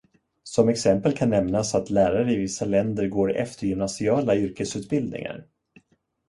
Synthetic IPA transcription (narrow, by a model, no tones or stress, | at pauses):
sɔmɛksɛmpəlkʰanːɛmnasat̪læːɾaɾəɪvɪsːalɛnd̪əɾɡoːɾɛ̰ft̪əɾjʏmnasɪɑːlaʏɾkəsʉ̟ːt̪̚bɪld̪nɪ̰ŋa̰ɾ